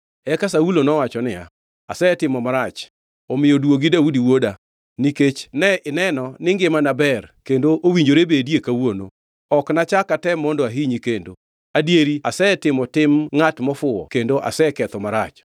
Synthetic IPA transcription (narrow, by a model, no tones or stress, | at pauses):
ɛkasaulonɔwat͡ʃɔnɪja̰ | a̰sɛtɪmɔmaɾat͡ʃ | ɔmɪjodwoɡidaudiwoda | niket͡ʃnɛɪnɛnɔnɪŋɡɪmanabɛrkendoʔowiɲd͡ʒoɾebedjekawono̰ | ɔknat͡ʃakatɛmɔndɔaɦiɲikendo | adjeɾiasɛtɪmɔtɪmŋatmɔfʊɔ̰kendoʔa̰sɛkɛt̪ɔmaɾat͡ʃ